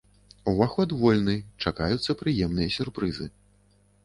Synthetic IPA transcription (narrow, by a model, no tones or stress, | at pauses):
wvaxɔd̪vɔlʲnɨt͡ʂakajut̪sːɐpɾɨjɛmnɨjɐsʲurpɾɨzɨ